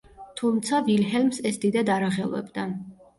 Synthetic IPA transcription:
t̪ʰumt̪sʰavilɦɛlmsɛsd̪id̪ad̪aɾaʁɛlˠvɛ̰bd̪a

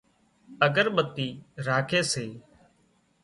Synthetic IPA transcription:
əɡəɾɓət̪iːɾaːkʰeːseː

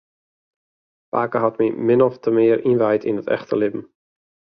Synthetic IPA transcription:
pa̰ːkəɦɔtmimɪnɔftʰəmɪːɾinvajtʰɪ̰nətɛ̰χtʰəlɪbm̩

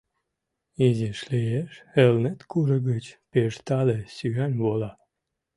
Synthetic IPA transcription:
iziʃlijeʃelnet̪kuɾə̆ɣət͡ɕpeʃt̪ɑlesyɣænʲβolɑ

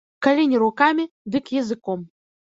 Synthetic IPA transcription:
kɐlʲenʲɪɾʊkamʲɪ | d̪ɨkjɛzɨkom

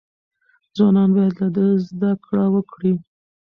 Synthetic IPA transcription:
d͡zwɑnɑnbɑjad̪lad̪əzd̪akɽawəkɽi

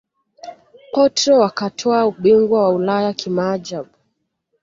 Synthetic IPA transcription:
pɔtɾɔwakatʰɔauɓiŋɡwawaulajakʰimad͡ʒaɓ

